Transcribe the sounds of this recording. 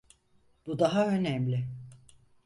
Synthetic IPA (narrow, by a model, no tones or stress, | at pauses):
bud̪aɦaø̞nɛmlʲɪ